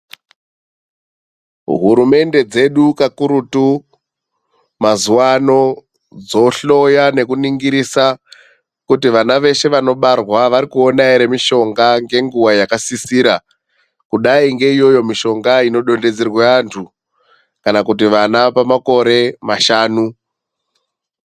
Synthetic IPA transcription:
ɦuɾume̞nde̞d͡ze̞ɗukakuɾutu | mazuwano̞ | d͡zo̞ɬo̞jane̞kuniŋɡiɾisa | kutiʋanaʋe̞ʃe̞ʋano̞ɓarwaʋaɾikuo̞naiɾe̞miʃo̞ŋɡaŋɡe̞ŋɡuwajakasisiːɾa | kuɗaiŋɡe̞ijo̞jo̞miʃo̞ŋɡaino̞ɗo̞nde̞d͡zerweantʰu | kanakutiʋanapamako̞ɾe̞maʃaːnu

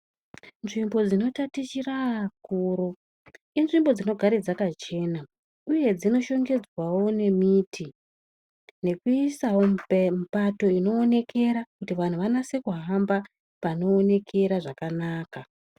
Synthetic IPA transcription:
nʐimbo̞d͡zino̞tatit͡ʃiraakuːɾo | inʐimbo̞d͡zino̞ɡʱaɾed͡zakat͡ʃe̞na | uje̞d͡zino̞ʃo̞ŋɡe̞d͡zwawo̞ne̞miːtʰi | ne̞kuisawo̞m̩pato̞ino̞ːne̞kʰe̞ɾakutiʋan̤uʋanase̞kuɦamba | pano̞ːne̞kʰe̞ɾaʐakanaːka

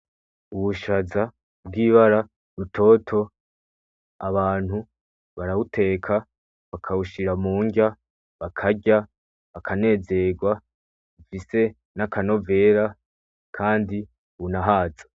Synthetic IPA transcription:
uβuʃaza | bɡiːβaɾa | ɾutʰo̞tʰo̞ | aβaːn̥hu | βaɾaβutʰe̞ːkʰa | βakʰauʃiɾamuːŋɡa | βakʰaɟa | βakʰane̞ːze̞ɡwa | βufise̞ | nakʰano̞ve̞ɾa | kʰaːndi | βunaɦaːzḁ

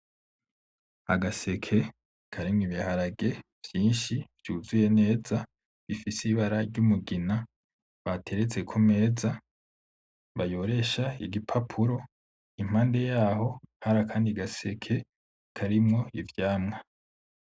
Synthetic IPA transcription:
a̰ɡase̞kʰe̞ | kʰaɾimŋiβihaɾaɡe̞v̥jiːnʃivjuːzuje̞ne̞ːza | βifisiβaɾaɾɟumuɡina | βatʰe̞ɾet͡se̞kʰome̞ːza | βajo̞ɾe̞ʃaiɡipʰapʰuɾo̞ | im̥aːnde̞jaːho̞haɾakʰaːndiɡase̞kʰe̞ | kʰaɾimŋo̞ivjaːmŋa

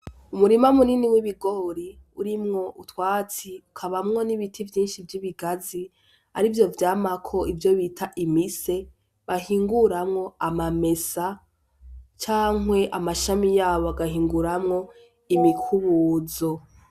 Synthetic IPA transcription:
umuɾimaumuniniwiβiɡo̞ɾi | uɾimŋo̞ʔutwaːt͡siukʰaβamŋo̞niβitʰivjiːnʃivjiβiɡazi | a̰ɾivjo̞vjaːmakʰo̞ivjo̞βitʰaʔimise̞ | βaɦiːŋɡuɾamŋo̞amame̞sa | t͡ʃaːŋwe̞ʔamaʃamijaːβoaɡahiːŋɡuɾamŋo̞ | imikʰuβuzo̞

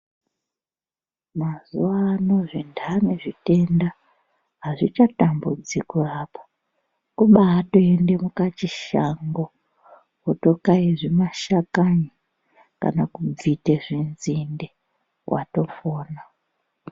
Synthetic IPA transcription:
mazuwaːno̞ʐindʰʱaneʐite̞nda | ɦaʐit͡ʃatambud͡zikurapḁ | kuɓaːto̞ende̞mukat͡ʃiʃaŋɡo̞ | ɦoto̞kaiʐimaʃakaɲi | ka̰nakub͡vviteʐinzinde | wʔa̰to̞foːna

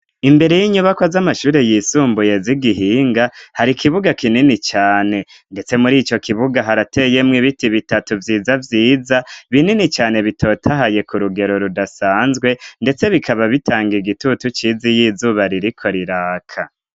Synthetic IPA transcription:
imbe̞ɾe̞jiɲuβakwazamaʃuːɾe̞jiːsuːmbuje̞ziɡiɦiːŋɡahaɾikiβuɡakininit͡ʃaːne̞ | nde̞t͡se̞muɾiːt͡ʃo̞kʰiβuɡaɦaɾate̞je̞mŋiβitiβitatuvjiːzavjiːzaβininit͡ʃaːne̞βitʰo̞ːtʰaɦaje̞kuɾuɡe̞ɾo̞ɾudasaːnzɡwe̞nde̞t͡se̞βikʰaβaβitʰaːŋɡiɡitutut͡ʃizijiːzuβaɾiɾikʰo̞ɾiɾaːkʰa

